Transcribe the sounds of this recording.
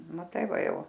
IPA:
mɐˈtɐɪ ˈʋɐ ˈjɛʊ

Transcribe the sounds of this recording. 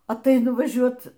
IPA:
ɐtˈɐɪnʊ ʋɐˈʒʲuɔt

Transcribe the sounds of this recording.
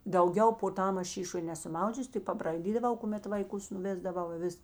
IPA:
dɐʊˈɡʲɛʊ poː ˈtɐm ˈɐʃ ˈʃʲiːʃoːj ˈnʲæːsʊ ˈmɐʊd͡ʒʲʊs tʲɪk pɐbrɐɪˈdʲiːdɐˌʋɐʊ kʊˈmʲɛt ʋɐɪˈkʊs nʊˈʋʲeːzdɐʋɐʊ ɪ ˈʋʲɪs

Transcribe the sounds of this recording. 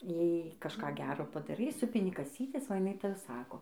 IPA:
ˈjɛɪ kɐʃˈkɑː ˈɡʲæːroː pɐdɐˈrɐɪ ˈsʊpʲɪnʲɪ kɐˈsʲiːtʲɛs oː jɪˈnɐɪ ˈtɑːˈsɑːkoː

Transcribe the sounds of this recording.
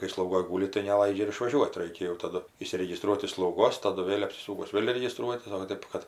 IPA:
kɐɪ slˠɐʊˈɡoːj ˈɡuːlʲɪ tɐɪ nʲɛˈlˠɐɪd͡ʒʲɛ ɪr ɪʃʋɐˈʒʲuɔt ˈrɐɪkʲɛ jɛʊ tɐˈdʊ ɪʃʲsʲɪrʲɛɡʲɪˈstruɔt ɪʃ slˠɐʊˈɡoːs tɐˈdʊ ˈʋʲeːlʲ ɐpʲsʲɪˈsuːkʊs ˈʋʲeːlʲ rʲɛɡʲɪˈstruɔtʲɪs oː ʋɐ ˈtʲeːp kɐt

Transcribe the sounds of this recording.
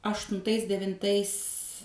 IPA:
ɐʃtʊnˈtɐɪs dʲɛʋʲɪnˈtɐɪs

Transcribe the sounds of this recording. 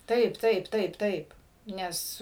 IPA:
ˈtɐɪp ˈtɐɪp ˈtɐɪp ˈtɐɪp ˈnʲɛs

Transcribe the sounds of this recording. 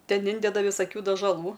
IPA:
ˈtʲɛn ˈɪnʲdʲɛdɐ ʋʲɪsɐˈkʲuː dɐʒɐˈlˠuː

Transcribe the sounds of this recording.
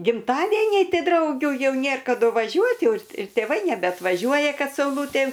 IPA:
ɡʲɪmˈtɑːdʲeːnʲɛɪ ˈtʲɪ ˈdrɐʊɡʲuː ˈjɛʊ ˈnʲeːr kɐˈdʊ ʋɐˈʒʲuɔtʲ ˈjɛʊ ɪr tʲeːˈʋɐɪ nʲɛbʲɛɐtʋɐˈʒʲuɔjɛ kɐt sɐʊˈlˠuːtʲeː

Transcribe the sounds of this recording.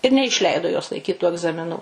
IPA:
ɪr nʲɛɪʃʲˈlʲɛɪdoː joːs lˠɐɪˈkʲiːt tuː ɐɡzɐmʲɪˈnuː

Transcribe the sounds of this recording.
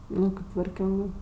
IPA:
ˈnʊ kʲeːp tʋɐrʲˈkʲoːŋɡɜ

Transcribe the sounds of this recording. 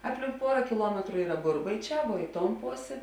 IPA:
ˈɑːpʲˌlʲɪŋk ˈpuɔrɐ kʲɪˈlˠuɔmʲɛtrʊ ˈiːrɐ ˈbʊrbɐɪˌt͡ʃʲɛː ʋuɔ ˈɪ ˌtoːn ˈpoːsʲeː

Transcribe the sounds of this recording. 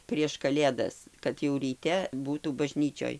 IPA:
pʲrʲiɛʃ kɐˈlʲeːdɐs kɐt jɛʊ rʲiːˈtʲɛ ˈbuːtuː bɐˈʒʲnʲiːt͡ʃʲoːj

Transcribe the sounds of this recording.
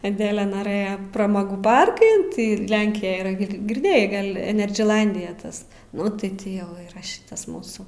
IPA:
ɐˈdʲæːlʲɛ nɐˈrɘjɛ prɐˈmoːɡuː ˈpɐrkɐn tɐɪ ˈlʲɛŋʲkʲɪjɛj iːˈrɐ ɡʲɪ ɡʲɪrʲˈdʲeːjɛɪ ˈɡɐlʲ ɛnʲɛrʲd͡ʒʲɪˈnɐlʲdʲɪjɛ ˈtɐs ˈnʊ tɐɪ ˈtʲɪ ˈjɛʊ iːˈrɐ ˈʃʲɪtɐs ˈmuːsuː

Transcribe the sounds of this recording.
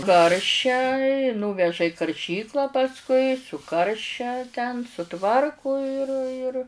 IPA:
ˈkɐrʲʃʲɛ ɪ ˈnuːʋʲɛʒɐ ɪ kɐrʲˈʃʲiːklˠɐ pɐsˈkʊɪ ˈkɐrʲʃʲɛ tʲɛn sʊˈtʋɐrkʊ ɪr ɪr

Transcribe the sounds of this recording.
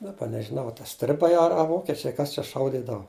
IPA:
dɐˈbɐ nʲɛʒʲɪˈnɐʊ ɐ tɐ ˈsʲtʲrʲɪbɐɪ ɐ ɐ ˈʋoːkʲɛt͡ʃʲɛɪ ˈkɐs t͡ʃʲɛ ˈʃɐʊdʲiːdɐʋɐ

